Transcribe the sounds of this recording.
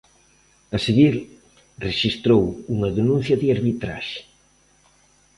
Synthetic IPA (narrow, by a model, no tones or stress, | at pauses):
ɐseɣiɾ | reʃist̪ɾowuŋɐðenũn̟θjɐðiaɾβit̪ɾa̰ʃe̥